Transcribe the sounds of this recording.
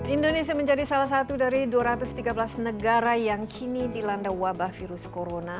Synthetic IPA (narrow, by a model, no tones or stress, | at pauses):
ʔindonesiaməɲd͡ʒadisalahs̬at̪udaɾiduaɾat̪ʊst̪iɡabəlasnəɡaɾajaŋkʰinidilandawabahfiɾʊskoɾona